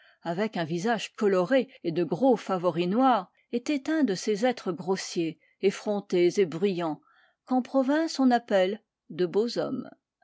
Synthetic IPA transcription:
avɛkɛ̃vizaʒkɔlɔʁeed̪əɡʁofavɔʁinwaːʁ | et̪ɛt̪ɛ̃d̪əsezɛt̪χəɡʁosjeː | fχɔ̃t̪ezebʁyjɑ̃ | kɑ̃pχɔvɛ̃sɔ̃napɛl | d̪əbozɔ̰m

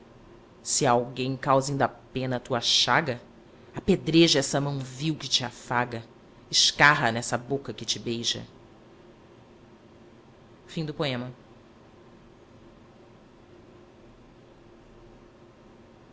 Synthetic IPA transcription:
sɪawɡẽj̃kawzĩnd̪ɐpẽnɐt̪uɐʃaɡɐ | aped̪ɾeʒɐɛsɐmɐ̃w̃viwkɪt͡ʃɪafaɡɐ | ɪʃkaɦɐnɛsɐbokɐkɪt͡ʃɪbejʒɐ̰ | fĩd̪ʊpoẽmɐ

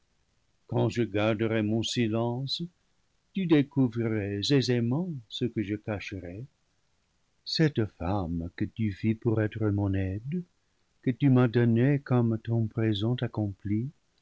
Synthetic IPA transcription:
kɑ̃ʒəɡaʁdəʁɛmɔ̃silɑ̃s | t̪ydekuvʁiʁɛzezemɑ̃səkəʒəkaʃəʁɛ | sɛt̪famkət̪yfipuʁɛt̪ʁəmɔ̃nɛd̪ | kət̪ymadɔnekɔmt̪ɔ̃pʁezɑ̃t̪akɔ̃pli

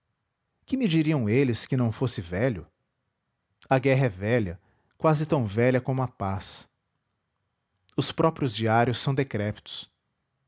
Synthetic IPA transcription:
kɪmɪd͡ʒiɾiɐ̃w̃elɪskɪnɐ̃w̃fosɪvɛʎʊ | ɐɡɛɦɐɛvɛʎɐ | kwazɪt̪ɐ̃w̃vɛʎɐkõmʊɐpas | ʊspɾɔpɾiʊzd͡ʒiaɾjʊsːɐ̃w̃d̪ekɾɛpi̥t̪ʊ̥s

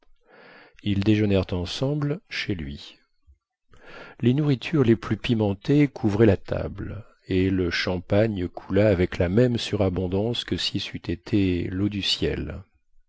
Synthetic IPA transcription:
ild̪eʒənɛʁt̪ɑ̃sɑ̃blʃelɥi | lenuʁit̪ʰyʁleplypimɑ̃t̪ekʰuvʁɛlat̪ʰa̰bl | eləʃɑ̃paɲkʰulaːvɛklamɛmsyʁabɔ̃d̪ɑ̃skəsisyt̪ʰet̪ʰelod̪ysjɛ̰l

